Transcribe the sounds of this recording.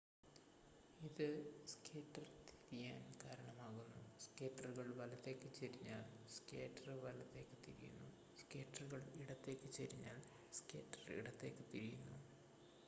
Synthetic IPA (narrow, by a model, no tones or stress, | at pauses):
iðɨskeːʈːɐrt̪ʰiɾijaːnkaːɾɐɳɐmaːɣunːuskeːʈːɐruɣɐɭʋɐlɐt̪ːe̞ːkːɨt͡ɕeɾiɲːaːlskeːʈːɐrʋɐlɐt̪ːe̞ːkːɨ̥t̪iɾijṵnːu | skeːʈːɐruɣɐɭiɽɐt̪ːe̞ːkːɨt͡ɕeɾiɲːa̰ːl | ske̞ːʈrɐrḭɽɐt̪ːe̞ːkːɨt̪iɾijunːu